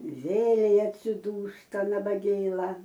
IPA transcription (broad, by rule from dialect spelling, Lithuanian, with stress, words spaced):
ˈʋʲeːlʲɛɪ ɐtʲsʲɪˈduːstɐ nɐbɐˈɡʲeːlˠɐ